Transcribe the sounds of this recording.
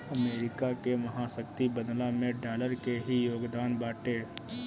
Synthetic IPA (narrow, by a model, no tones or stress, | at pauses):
əmeːɾɪkakemɐɦasəkt̪ibəd̪lamẽɖaːləɾkeɦijoːɡd̪aːnbaːʈeː